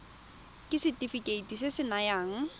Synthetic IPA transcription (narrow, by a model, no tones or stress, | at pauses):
kʼɪsɪtʼifikʼeitʼisɪsɪnajaːŋ̩